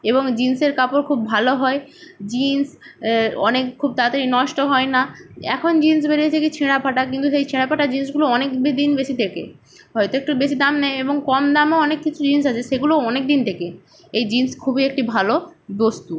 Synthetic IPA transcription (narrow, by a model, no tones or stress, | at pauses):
eboŋd͡ʑinseɾkapoɾkʰubːʱaloɦɔed͡ʑins | ɔ̰nekkʰːub̚t̪at̪eɾinɔʃʈoɦɔenaɛ̰kʰond͡ʑins̬beɾet̪ʰeket͡ɕʰeɽapʰaʈak̬int̪usejt͡ɕʰeɽapʰaʈad͡ʑins̬ɡuloɔnekbed̪inbeʃit̪ʰekḛ | ɦɔjt̪oekʈubeʃid̪amnɛeeboŋkɔmd̪amoɔnekːit͡ɕʰud͡ʑins̬at͡ɕʰeʃeɡuloɔnek̚d̪int̪ʰeke | ejd͡ʑinskʰubiek̚ʈibʱalobost̪u